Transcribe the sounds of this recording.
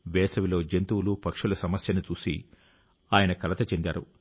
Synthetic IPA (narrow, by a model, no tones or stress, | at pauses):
ʋɛːsɐʋilo̞ːd͡ʒent̪uwlupɐkʂulɐsɐmɐsjɐnut͡ʃuːsḭ | aːjɐnɐkɐlɐt̪ɐt͡ʃe̞nd̪a̰ːɾu